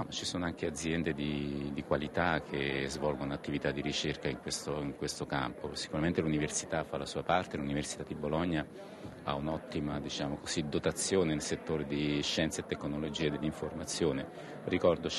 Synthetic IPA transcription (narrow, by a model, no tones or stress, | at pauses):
ɔmat͡ʃːisoːnoaŋk̟ead̪zːjɛnd̪ed̪id̪ikwalit̪akʰːezvɔlɡonat̪ːivit̪ad̪ːiɾit͡ʃerkaiŋkwest̪oiŋkwest̪oka̰mposi̥kuɾament̪eluniversi̥t̪afːalasuːapart̪eluniversi̥t̪ad̪ibolɔɲːa | a̰unɔt̪ːimad̪it͡ʃaːmokozid̪ot̪at̪sːjoːnenelset̪ːoːɾed̪iʃːɛnt̪saet̪ːekːnolod͡ʒiːed̪elːiɱformat̪sːjoːne | rikɔrd̪ot͡ʃ